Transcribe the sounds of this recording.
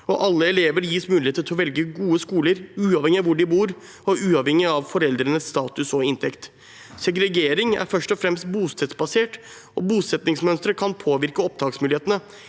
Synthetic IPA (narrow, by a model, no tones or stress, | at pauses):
ɔ̰ʔɑlːəɛleːʋəɾjiːsmʉːlɪheːt̪ət̪ʰɔʋɛlɡəɡuːəskuːləɾʉːɑʋhɛŋɪɑʋʊɖɪbuːɾ | ɔʔʉːɑʋhɛŋɪɑʋfɔɾɛld̪ɾənəsːt̪ɑːt̪ʉsɔɪnt̪ʰɛkt̪ | sɛɡɾɛɡeːɾɪŋæ̰ɾfœʂʈɔfɾɛmst̪buːst̪ʰɛt̪sbɑseːʈ | ɔbuːsɛt̪nɪŋsmœnst̪ɾəkʰɑnpʰoːʋɪɾkəɔp̚d̪ɑːksmʉlɪeːt̪ənə